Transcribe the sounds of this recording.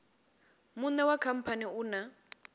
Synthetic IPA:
munɛwakʰam̩pʰaniuna

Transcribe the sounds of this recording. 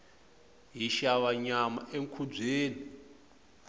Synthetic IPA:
ɦiʃaβaɲama̰ʔeŋkʰub͡ʐeːni

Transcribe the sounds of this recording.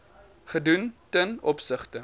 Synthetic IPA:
χəduntənɔpsəχtə

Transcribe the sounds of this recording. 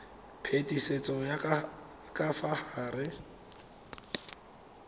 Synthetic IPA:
pʰetʼiset͡sʼɔja | kʼafahaːrɪ

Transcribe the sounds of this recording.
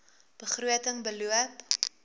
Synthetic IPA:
b̥əχruətəŋbəluəp

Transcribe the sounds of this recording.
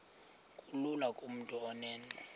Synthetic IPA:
kʼululakʼum̩tʼuɔnɛːnɛ

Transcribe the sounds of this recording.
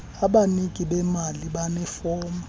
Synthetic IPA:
aɓanikʼiɓɛmaliɓanɛfɔːma

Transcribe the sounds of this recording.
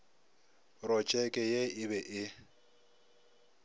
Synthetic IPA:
rɔt͡ʃʼɛkʼɛjeɪbɛʔɪ

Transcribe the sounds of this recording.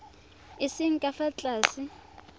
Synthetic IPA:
ɪsɪŋ̩kʼafat͡ɬʼaːsi

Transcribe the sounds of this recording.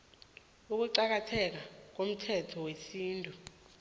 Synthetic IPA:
uk̬uǀak̬atʰɛk̬ak̬om̩tʰɛtʰɔwesiːntʼu

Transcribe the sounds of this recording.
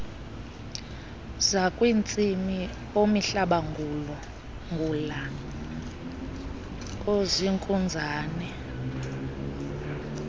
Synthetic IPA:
zakʼwint͡sʼimi | omiɬaɓaŋulɔ | ŋɡʱula | oziŋkʼund͡zʱaːnɛ

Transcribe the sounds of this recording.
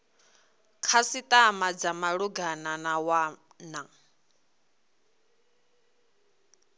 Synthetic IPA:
kʰasit̪ʼamad͡zamaɺuɡananawa | na

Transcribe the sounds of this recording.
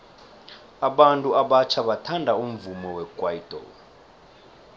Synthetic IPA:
aɓantʼuaɓat͡ʃʰaɓatʰandʱaum̩vumɔwɛkʼwaitʼɔ̰

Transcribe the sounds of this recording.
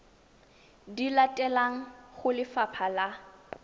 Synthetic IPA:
dilatʼɛlaŋ̩χʊlɪfapʰala

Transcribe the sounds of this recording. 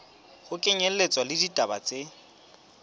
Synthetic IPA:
χʊkʼɪɲɛl̩let͡sʼwalɪditʼabat͡sʼe

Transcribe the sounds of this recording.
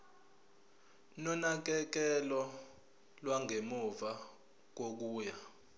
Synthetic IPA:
nɔnak̬ɛk̬ɛlɔ | lwaŋʱemuva | k̬ok̬uːja

